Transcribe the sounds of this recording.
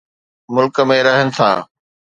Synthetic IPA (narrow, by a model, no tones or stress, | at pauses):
mʊlkə̆mẽɾɐɦənɪ̆t̪ʰã̰ː